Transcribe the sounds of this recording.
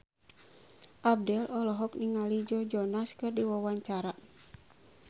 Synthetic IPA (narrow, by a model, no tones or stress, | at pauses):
ʔab̚dɛlʔɔlɔɦɔk̚niŋalid͡ʒɔd͡ʒɔnaskɨrdiwawaɲt͡ʃaɾa